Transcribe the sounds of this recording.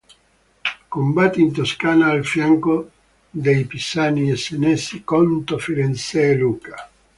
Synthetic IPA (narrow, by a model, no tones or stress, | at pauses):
kombat̪ːiːnt̪̬oskaːnaːlfjaŋko | d̪ejpisaːniesenɛsikɔnt̪ofiɾenselukḁ